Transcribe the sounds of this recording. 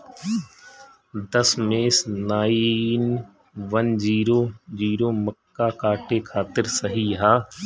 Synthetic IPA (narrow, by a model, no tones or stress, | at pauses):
d̪əsmeːsnaːin | ʋənd͡ʒiːɾoːd͡ʒiːɾoːməkːakaːʈekʰaːt̪ɪɾsəɦiɦaː